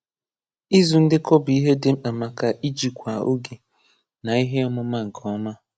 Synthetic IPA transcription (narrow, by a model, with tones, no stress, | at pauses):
i˦zu˨n̩˦dɪ˦kɔ˦bʊ˨i˦ɦe˦dɪ˦m̩˦k͡pa˨ma˨ka˨ʔi˦d͡ʒi˨kʷa˨o̰˦ɡi˨ | na˨i˦ɦe˦ɔ˦mʊ˦ma˦ŋ̩˨kʰɔ˦ma˦